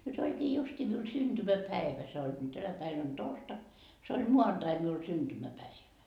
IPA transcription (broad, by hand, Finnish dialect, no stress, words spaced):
nyt olʲkiː justiː miun synd̥ymæpæeʋæ se olʲkiː tænæ pæin on torstɑk se ol muɑnd̥ɑi miul synd̥ymæpæiʋæ